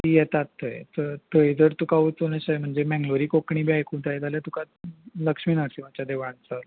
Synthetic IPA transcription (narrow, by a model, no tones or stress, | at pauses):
ijɛt̪at̪ːəj̰təɾt̪əjd͡zəɾt̪ukaut͡sonaɕajm̤əɳd͡zemɛ̃ŋɡloɾiːkokɳiːbiajkuːnt̪ajd͡z̪aljat̪uka | ləkʂmiːnəɽsimat͡ɕjad̪eʋãɳt͡sə